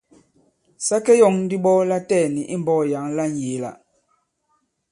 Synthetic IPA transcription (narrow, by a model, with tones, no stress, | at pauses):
sa˦kɛ˦jɔ˨ŋn̩˦di˦ɓɔ˦la˦tɛː˦˨ni˨ʔi˦m˦bɔ˦˨ja˨˦ŋla˦n˨je˨˦la̰˨